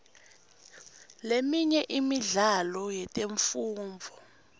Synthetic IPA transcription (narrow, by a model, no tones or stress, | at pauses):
lemiɲɛʔimiɮalɔjɛtʼeɱfuːɱvʱɔ